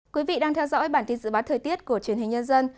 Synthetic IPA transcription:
kwi˨˦vḭ˧˨ɗaː˧ŋt̪ʰɛ˧wzɔ̰˧˥jɓaː˧˩nt̪i˧nzɨ̰˧˥ɓaː˨˦t̪ʰəː˨˩t̪i˦˥ət̚ku˧˩ət͡ɕwi˧˩ənɦï˨˩ŋ̟ɲə˧nzə˧n

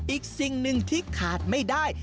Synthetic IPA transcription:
ʔiː˨˩k̚si˨˩ŋnɯ˧ŋt̪ʰiː˥˩kʰaː˨˩t̪̚ma˥˩jdaː˥˩j

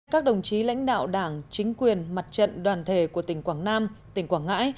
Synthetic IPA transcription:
kaː˦˥k̚ɗə˨˩wŋ͡mt͡ɕi˨˦la̰˧˥jŋ̟ɗa̰ː˧˨wɗaː˧˩ŋt͡ɕï˨˦ŋ̟kwi˨˩ənma˨˩t̚t͡ɕə̰˧˨nɗwaː˨˩nt̪ʰe˧˩ku˧˩ət̪ï˧˩ŋ̟kwaː˧˩ŋnaː˧mt̪ï˨˩ŋ̟kwaː˧˩ŋa̰ː˧˥j

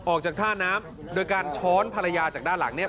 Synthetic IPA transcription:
ʔɔː˨˩k̚t͡ɕaː˨˩k̚t̪ʰaː˥˩naː˦˥m | doː˧jkaː˧nt͡ɕʰɔː˦˥npʰa˧ɾa˧jaː˧t͡ɕaː˨˩k̚daː˥˩nla̰˩˦ŋni˥˩ɐ

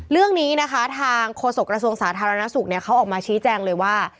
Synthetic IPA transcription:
ɾɯ˥˩əŋniː˦˥na˦˥kʰa˦˥t̪ʰaː˧ŋkʰoː˧so˨˩kɾa˧su˧əŋsaː˩˦t̪ʰaː˧ɾa˧na˦˥su˨˩k̚ni˥˩ɐkʰa˦˥ʔɔː˨˩k̚maː˧t͡ɕʰiː˦˥t͡ɕɛː˧ŋlɤː˧jwaː˥˩

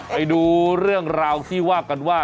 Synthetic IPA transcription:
pa˧jduː˧ɾɯ˥˩əŋɾaː˧wt̪ʰiː˥˩waː˥˩ka˧nwaː˥˩

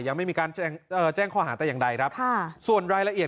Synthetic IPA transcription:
ja˧ŋma˥˩jmiː˧kaː˧nt͡ɕɛː˧ŋʔɤː˨˩t͡ɕɛː˥˩ŋkʰwaː˧˩ɦaː˩˦t̪ɛː˨˩jaː˨˩ŋda˧jkʰɾa˦˥kʰa˥˩su˨˩ənɾaː˧jla˧ʔi˨˩ət

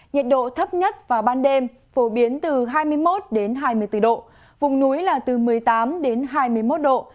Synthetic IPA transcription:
ɲḭ˧˨nɗo̰˧˨t̪ʰə˦˥p̚ɲə˦˥t̚vaː˨˩ɓaː˧nɗe˧m | fo˧˩ɓi˨˦ənt̪ɨ˨˩ɦaː˧jmɨ˧əjmo˦˥t̚ɗe˨˦nɦaː˧jmɨ˧əjt̪ɨ˧˩ɗo̰˧˨ | vʊ˨˩ŋ͡mnu˨˦jlaː˨˩t̪ɨ˨˩mɨ˨˩əjt̪aː˨˦mɗe˨˦nɦaː˧jmɨ˧əjmo˦˥t̚ɗo̰˧˨

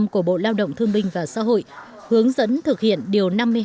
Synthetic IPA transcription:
mku˧˩əɓo̰˧˨laː˧wɗə̰˧˨wŋ͡mt̪ʰɨ˧əŋɓï˧ŋ̟vaː˨˩sa̰ː˧˥ɦo̰˧˨j | hɨ˨˦əŋzə̰˧˥nt̪ʰɨ˨˩k̚hḭ˧˨ənɗi˨˩əwna˧mːɨ˧əj

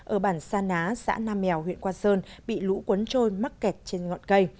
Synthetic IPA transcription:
ʔəː˧˩ɓaː˧˩nsaː˧naː˨˦sa̰ː˧˥naː˧mːɛ˨˩˨wɦwḭ˧˨ənkwaː˧səː˧nɓḭ˧˨lṵ˧˥kwə˨˦nt͡ɕo˧jma˦˥k̚kɛ˨˩t̚t͡ɕe˧nŋɔ̰˧˨nkə˧j

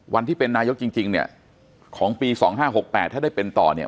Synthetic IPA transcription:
wʔa˧nt̪ʰiː˥˩pe˧nːaː˧jo˦˥k̚t͡ɕi˧ŋt͡ɕi˧ŋni˥˩ɐ | kʰɔː˩˦ŋpiː˧sɔː˩˦ŋɦaː˥˩ɦo˨˩k̚pɛː˨˩t̪ʰːaː˥˩daː˥˩jpe˧nt̪ɔ̰ː˨˩ni˥˩

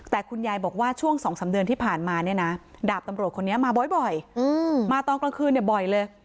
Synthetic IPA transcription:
t̪ɛː˨˩kʰu˧njaː˧jbɔː˨˩k̚waː˥˩t͡ɕʰu˥˩əŋsɔː˩˦ŋsaː˩˦mdɯ˧ənt̪iː˥˩pʰaː˨˩nmaː˧ni˥˩ɐna˦˥daː˨˩p̚t̪a˧mɾə˩t̚kʰo˧nːi˦˥ɐmaː˧bɔ˨˩jbɔ˨˩jɯː˧maː˧t̪ɔː˧ŋkla˧ŋkʰɯː˧˩nːi˧˩bɔ˨˩jlɤː˧j

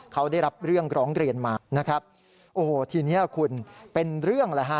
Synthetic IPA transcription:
kʰa˦˥wda˥˩jɾa˦˥p̚ɾɯ˥˩əŋɾɔː˦˥ŋɾi˧ənmaː˧˩na˦˥kʰa˦˥p̚ | ʔoː˨˩t̪ʰiː˧ni˦˥ɐkʰu˧npe˧nɾɯ˥˩əŋla˧˩ɦa˦˥

